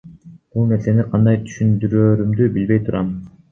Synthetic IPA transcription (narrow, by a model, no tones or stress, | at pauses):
b̥ulˠne̞ɾse̞niqʰɑnd̪ɑjt̪ʰy̥ʃynd̪yɾøːɾymd̪ybilbe̞jt̪ʰuɾʔɑm